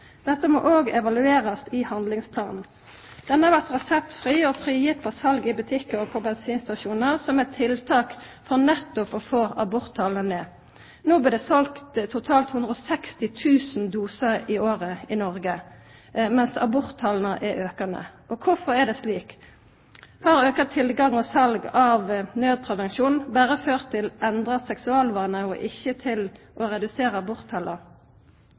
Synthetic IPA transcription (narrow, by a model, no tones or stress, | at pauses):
d̪̥ɛt̪ːəmɔ̰ːʔoːɡɛʋɑlʉeːʁɑst̪ɪhɑnd̪lɪŋspʰlɑːnn̩ | d̪̥ɛnəhɑɾʋæʁt̪ʁɛsɛpt̪fʁiːɔfʁiːjɪp̪ʰɔsɑlɡɪbʉt̪ʰɪkːɔpʰɔbɛnsiːnst̪ɑʃuːnəʁsɔmɛt̪ʰːɪlt̪ʰɑːk | fɔʁnɛt̪ːʊpɔfoːʔɑbʊɾt̪ʰːɑːlnəneː | noːblɪd̪ɛsɔlkt̪t̪ʰːʊt̪ʰɑːlt̪hʉnd̪ʁəɔsɛkst̪ɪt̪ʰʉːsnd̪uːsəʁɪoːʁəinɔʁɡə | mɛnsɑ̰bʊʁt̪ʰːɑːln̩əʔɛʔøːkɑnə̰ʔɔkʰʊfɔʁɛd̪ɛːsliːk | hɑːʁøːkɑt̪ʰɪlɡɑŋɔsɑlɡɑʋnøːd̪̚pʰʁɛʋɛnʃuːnnbæːʁəføːʁt̪ʰːɪlɛnd̪ʁɑsɛksʉɑːlʋɑːnəɔʔɪçːət̪ʰɪl | ʔɔʁɛd̪ʉseːʁəɑbʊʁt̪ʰːɑlʔə